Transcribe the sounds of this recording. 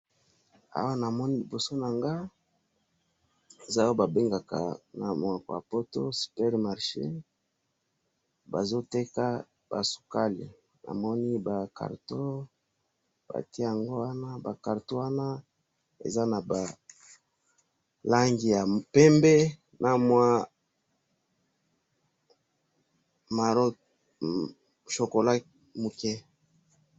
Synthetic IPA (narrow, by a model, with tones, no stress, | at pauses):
a̰˨wa˦na˨mɔ˦ni˦li˨bo˨so˦na˨ŋɡa˦ | e˨za˦o˦ba˨be˦ŋɡa˨ka̰˨na˨mo˨a˨ko̰˨ja̰˨po˦to̰˦si̥˨pɛ˦ʁma˨ʁʃḛ˦ | ba˨zo˦te˦ka˦ | ba̰˨su̥˨ka˦li˨ | nʔa̰˨mɔ˦ni˦ba˨ka̰˨ʁto˦ | b̥a̰˨ti˦˨ja˨ŋɡo˦wa˦na˦ba˨ka˨ʁto˦wa˦na˦ | ḛ˨za˦na˨ba˨ | la˦ŋɡi˨ja˨pɛ˦mbɛ˦ | nʔa˨mwa˦ | ma˨ɾo˦ | ʃo˨ko˨la˦ | mu˨kɛ˦